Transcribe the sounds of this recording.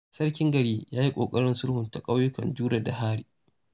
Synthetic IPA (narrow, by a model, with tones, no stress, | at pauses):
sɐ˦ɽkʲɪ˦ŋɡɐ˨ɽiː˦jaː˦ji˦kʷʼo̰ː˨kʼɐ˦ɽɪ˦nsʊ˦rhʊ˨nta˨kʼa˦wjʊ˦kɐ̰˨nd͡ʒuː˦ɽa˨da˨haː˦ɽi˨